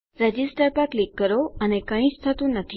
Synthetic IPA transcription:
ɾəd͡ʒisʈəɾpəɾklikːəɾoənekə̃ĩt͡ʃt̪ʰət̪ũnət̪ʰi

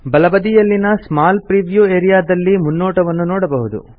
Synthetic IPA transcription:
bɐlɐbɐd̪ijɐlːinɐsmaːlpɾiːʋjuːeːɾijaːd̪ɐlːimunːoːʈɐʋɐnːunɔːɽɐbɐɦud̪ṵ

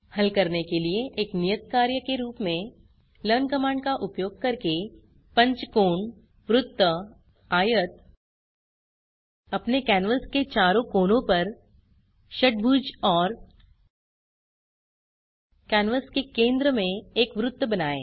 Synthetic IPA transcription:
hɐlkɐɾnekelieʔeːknijət̪̚kaːɾjəkeɾuːpmẽ | ləːnkɐmaːɳɖkaʔʊpjoːɡ̚kɐɾke | pɐ̃ɲt͡ʃkoːɳ | ʋɾʊt̪ːə | aːjət̪̚ | ɐpnekɛːnʋəsket͡ʃaːɾõkoːnõpɐɾ | ʃɐʈ̚bʱuːd͡ʒɔːɾ | kɛːnʋəskekẽːnd̪ɾəmẽeːkʋɾʊt̪ːbɐnaːḛː

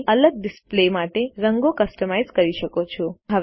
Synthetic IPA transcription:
ələɡ̚ɖɪsplemaʈeɾəŋɡokəsʈəmajzkəɾiʃəkot͡ʃʰoɦəʋ

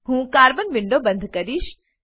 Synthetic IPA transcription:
ɦũːkaːɾbənʋɪ̃ɳɖobɐ̃nd̪ʱkɐɾiːʃ

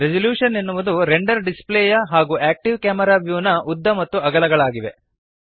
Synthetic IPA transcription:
ɾed͡ʒɐljuːʂɐnenːuʋɐd̪uɾeɳɖɐɾɖispleːjɐɦaːɡuːæːk̚ʈiʋkaːmɐɾaːʋjuːnɐʔud̪ːɐmɐt̪ːuɐɡɐlɐɡɐɭaːɡiʋe̞

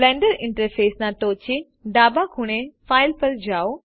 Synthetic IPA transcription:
lɛ̃ːɳɖəɾɪ̃ɳʈəɾfʰeːsnãʈoːt͡ɕi | ɖaːbakʰʊɽ̃efaːɪlpɐɾd͡ʑaːo

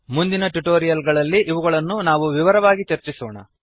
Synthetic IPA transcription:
mund̪inɐʈuʈoːɾijɐlɡɐɭɐlːiʔːʋɐɣɐɭɐnːunaːʋuʋiʋɐɾɐʋaːɡit͡ʃɐɾt͡ʃisoːɳɐ̰

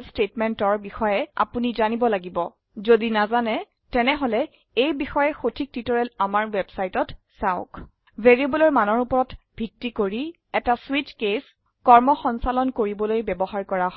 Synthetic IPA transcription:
stetmɛntɔɹbixɔjɛa̰punizanibɔlaɡibɔ | zodinazanɛ | tɛnɛɦɔlɛ | ejbixɔjɛxotʰik̚titɔɹɛlamaɹwɛbsajtɔt | saʊk | vʱeɹiebɔlɔɹmanɔɹupɔɹɔtbʱitːikoɹi | ɛtaswit͡ʃkes | kɔɹmɔxɔnsalɔnkoɹibɔlojbɛbɔɦaɹkɔɹaɦɔ

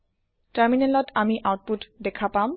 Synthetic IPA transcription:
taɹminelɔtamiʔawt̚putdekʰapam

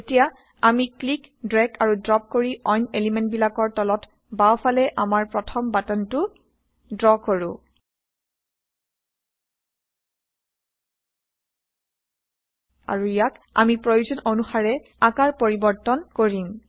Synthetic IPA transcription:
etija | amiklikdɹɛkʰaɹudɹɔp̚koɹiʔɔjnelimɛnt̚bilakɔɹtɔlɔt | bawfʰalɛʔamaɹpɹɔtʰɔmbatɔntʊ | dɹɔkoɹʊ̃ | a̰ɹuijaka̰mipɹojuzɔnonuxaɹɛ | akaɹpoɹibɔɹtɔnkoɹim

